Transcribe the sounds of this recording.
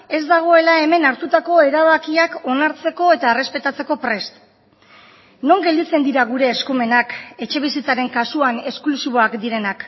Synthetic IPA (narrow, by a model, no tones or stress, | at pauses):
e̞zd̪aɣ̞o̞e̞lae̞me̞naɾt̪ut̪ako̞e̞ɾaβakiako̞naɾt͡se̞ko̞e̞t̪aere̞spe̞t̪at͡se̞ko̞pɾe̞st̪ | no̞ŋɡeld̪it͡se̞nd̪iɾaɣ̞uɾe̞ːskume̞nake̞t͡ʃe̞β̞isit͡saɾe̞ŋkasuane̞sklusiβ̞o̞akd̪iɾe̞nak